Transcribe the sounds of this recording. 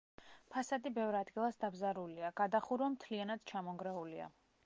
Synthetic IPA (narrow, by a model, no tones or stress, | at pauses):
pʰasad̪ibɛvɾad̪ɡilˠasd̪abzaɾuliaɡ̥ad̪aχuɾamt̪ʰlianad̪̥t͡ʃʰamɔŋɡɾɛulia̰